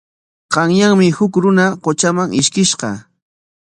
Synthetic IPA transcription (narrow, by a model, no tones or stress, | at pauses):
qɑŋjaŋmɪhʊkɾʊnaqot͡ʃamaŋɪʃkɪʃqɑ̰